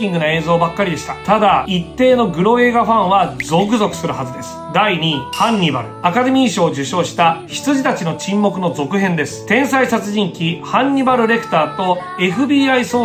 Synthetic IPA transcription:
ĩŋɡɯ̟noe̞ːzo̞ːbakːaɾʲid̪e̞ɕi̥t̪ḁt̪ad̪ait̪ːe̞ːno̞ɡɯ̟ɾo̞e̞ːɡaɸãɰ̃βad͡zo̞k̬ɯ̟zo̞kɯ̟sɨɾɯ̟ɦazɨd̪e̞sɨ̥d̪aiɲ̟ʲihãɲʲːiba̰ɾɯ̟akad̪e̞mʲiːɕo̞ːd͡ʑɨɕo̞ːɕi̥t̪açi̥t͡sɨʑit̪at͡ɕino̞t͡ɕĩmːo̞kɯ̟no̞d͡zo̞kɯ̟ɦẽ̞nd̪e̞sɨ̥t̪ẽ̞ɰ̃saisat͡sɨʑĩŋkʲihãɲ̟ːibaɾɯ̟ɾe̞kɯ̟̥t̪aːt̪o̞ | e̞ɸɯ̟bʲiːaiso̞ː

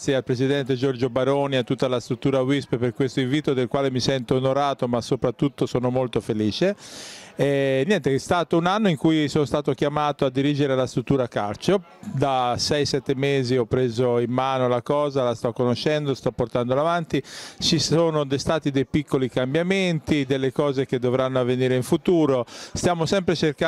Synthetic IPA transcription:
sjealpɾesid̪ɛnt̪ed͡ʒord͡ʒobaɾoːniat̪ːut̪ːalast̪ɾut̪ːuːɾawispeperkwest̪oiɱviːt̪od̪elkwaːlemisɛnt̪oːnoɾaːt̪omasːopɾat̪ːut̪ːosoːnomolt̪ofeliːt͡ʃe | ɛnjɛnt̪est̪aːt̪ounanːoiŋkujsonost̪aːt̪ok̟jamaːt̪oad̪ːiɾid͡ʒeɾelast̪ɾut̪ːuːɾaka̰ɾt͡ʃo | d̪asɛjsɛt̪ːemeːziɔpːɾezoimːaːnolakɔːzalast̪ɔkːonoʃːɛnd̪ost̪ɔpːort̪and̪olavant̪it͡ʃisoːnod̪est̪aːt̪id̪ejpikːolikambjament̪id̪elːekɔːzek̟ed̪ːovɾanːoavːeniːɾeiɱfut̪uːɾost̪jaːmosɛmpɾet͡ʃerka

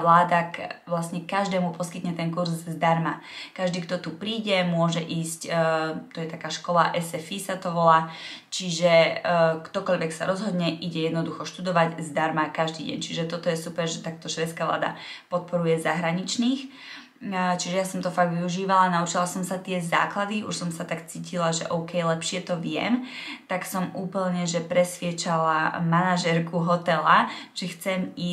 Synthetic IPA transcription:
laːd̪akʋlasɲɛkaʒd̪ɛːmupɔskit̪ɲɛt̪ɛnkuɾzːd̪aɾma | kaʒd̪iːkt̪ɔt̪upɾiːɟɛmʊɔʒɛʔiːsct̪ɔjɛt̪akaːʃkɔlaʔɛsɛfisat̪ɔʋɔlaːt͡ʃiʒɛkt̪ɔkɔʎʋɛksa̰ɾɔzɦɔd̪ɲɛʔiɟɛjɛd̪nɔd̪uxɔʃt̪ud̪ɔʋaɟzd̪aɾmakaʒd̪iːɟɛ̰ɲt͡ʃiʒɛt̪ɔt̪ɔjɛsupɛɾʒɛt̪ak̚t̪ɔʃʋɛt̪skaːʋla̰ːd̪a̰pɔt̪̚pɔɾujɛzaɦɾaɲit͡ʃniːx | t͡ʃiʒɛjasɔmt̪ɔfaɡ̚ɡʋiuʒiːʋalanaut͡ʃilasɔmsat̪ɪɛza̰ːklad̪iʔṵʃsɔmsat̪akt͡siːcʰilaʒɛ̰ʔɔʊkɛjlɛpʃɪɛt̪ɔʋɪɛ̰mt̪aksɔmuːpl̩ɲɛʒɛpɾɛsʋɪɛt͡ʃalamanaʒɛɾkuɦɔt̪ɛlat͡ʃɛxt͡sɛmiː

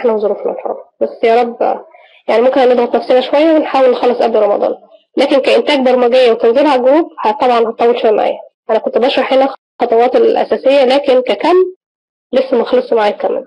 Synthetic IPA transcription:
ħnæwzˤoɾuːfnɑ̰lħɑ̰ːlbæsːjæɾˤɑbː | jaʕnimomkenænːed̪ˤɣɑt̪næfsehæʃowæjːæwenħaːwelxɑːlesˤʔæbliɾˤɑmɑ̰d̪ˤɑ̰ːn | læːkenkæʔent̪æːɡ̚bɑɾˤmæɡejːæwet̪enzelhæɡɾuːb̚hæt̪ˤɑbʕɑnhɑt̪ˤɑːwːelʃæjæma̰ʕa̰jːæʔænækont̪bæʃɾˤɑħenæ | xɑt̪ˤɑwɑːt̪elʔæ̰sæːsejːælæːkenkækæmː | lesːæmæxlesˤmaʕaːjt̪kːæmːḛl

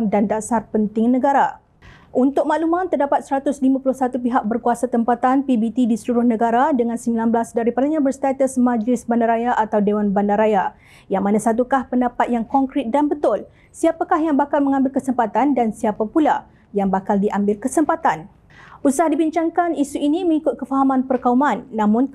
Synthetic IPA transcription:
ŋdandasarpənt̪ɪŋnəɡaɾa | ʔunt̪ʊk̚maʔlumant̪ərdapat̪̚səɾat̪ʊslimãpulʊhsat̪upiɦak̚bərkuasat̪əmpat̪anpibit̪idisəluɾʊhnəɡaɾadəŋansəmbilanbəlasdaɾipalaɲãbərst̪at̪əsmãd͡ʒlɪsbandaɾajaʔat̪awdewanbandaɾaja | jaŋmanãsat̪ukahpəndapat̪̚jaŋkɔŋkɾɪt̪̚danbət̪ʊl | siapakahjaŋbakalmə̃ŋãmbɪlkəsəmpat̪andansiapapula | jaŋbakaldiʔambɪlkəsəmpat̪an | usahdibiɲt͡ʃaŋkanisuiniməŋikʊt̪̚kəfaɦamãnpərkaumãnːãmʊ̃n

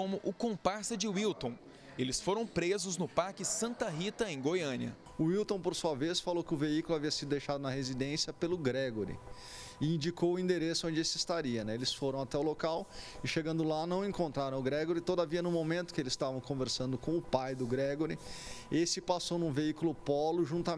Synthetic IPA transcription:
õmʊʔʊkõpaɾsɐd͡ʒɪwiwt̪õw̃ | elɪsfoɾɐ̃w̃pɾezʊznʊpaɾkɪsɐ̃nt̪ɐɦit̪ɐẽj̃ɡojɐ̃niɐ̰ | ʊiwt̪õw̃poɾsuɐvesfalowkɪʊveikʊlʊaviɐsid̪ʊd̪ejʃad̪ʊnɐhezid̪ẽsjɐpelʊɡɾɛɡoɾɪ̰ | ɪĩd͡ʒikowʊĩnd̪eɾesʊõd͡ʒɪesɪɪst̪aɾiɐnɛelɪsfoɾɐ̃w̃at̪ɛʊlokawɪʃeɡɐ̃nd̪ʊlanɐ̃w̃ẽŋkõnt̪ɾaɾɐ̃w̃ʊɡɾɛɡoɾɪt̪od̪ɐviɐnʊ̃momẽnt̪ʊ̥kɪelɪzɪ̥st̪avɐ̃w̃kõveɾsɐ̃nd̪ʊkõw̃ʊpajd̪ʊɡɾɛɡoɾɪesɪpasownũveikʊlʊpɔlʊʒũt̪ɐ

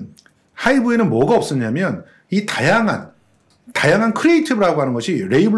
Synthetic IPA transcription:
haibue̞nɯnmwʌɡaʌp̚s͈ɯɲamjʌn | itajaŋɦan | tajaŋɦankʰɯɾiitʰɯbɯɾɦaɡoɦanɯnɡʌɕʰiɾe̞ibɯ

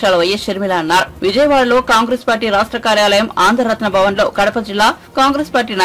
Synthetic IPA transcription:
aːlɐʋɐjeʃɐɾmilɐːnːaːɾuʋid͡ʒɐjɐʋaːɭɐlo̞ːkaːŋɡɾeːspaːɾʈiːɾaːʂʈɾɐkaːɾjaːlɐjɐmaːnd̪ʱɐɾːɐt̪nɐbʱɐʋɐnlo̞ːkɐɽɐpɐd͡ʒilːaː | kaːŋɡɾeːspaːɾʈiːna

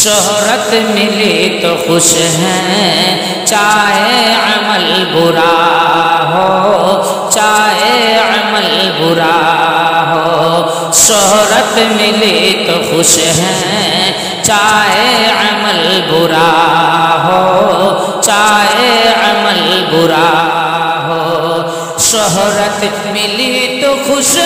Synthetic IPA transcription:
ʃɔɦ | ɾət̪mɪlit̪oxʊʃ | ɦɛ̃ | t͡ʃaːɦeəməl | bʊɾa | ɦo | t͡ʃaːɦeəməl | bʊɾa | ɦoː | ʃɔɦɾət̪mɪlit̪oxʊʃ | ɦɛ̃ | t͡ʃaːɦeəməlbʊɾa | ɦoː | t͡ʃaːɦeəməlbʊɾa | ɦo | ʃɔɦɾət̪ | mɪlit̪oxʊʃ

